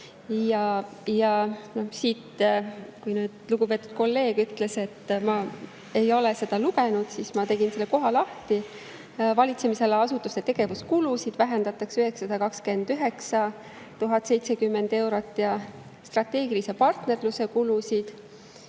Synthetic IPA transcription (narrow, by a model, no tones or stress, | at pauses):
jɑjɑno̞hsit̪ːkujnyːd̪̥luɡ̥upe̞ːt̪ːˑud̪̥̚ko̞lːe̞ːɡ̥yt̪ːˑle̞se̞t̪ːmɑ | e̞jo̞lese̞d̪̥ɑluɡe̞nud̪̥sismɑt̪e̞ɡinse̞lːeko̞ɦɑlɑht̪i | vɑlʲit̪se̞mise̞leɑsut̪ːˑust̪e̞t̪e̞ɡ̥e̞vuskulusid̪̥væɦend̪̥ɑt̪ˑɑksyɦeksɑd̪̥ɑkɑkske̞nd̪̥yɦe̞ksɑ | t̪uɦɑt̪ːˑse̞jt̪se̞kymːend̪̥e̞wɾo̞t̪ːˑjɑ | st̪rɑt̪ːe̞ːɡilise̞pɑrt̪ne̞rluse̞kulusid̪̥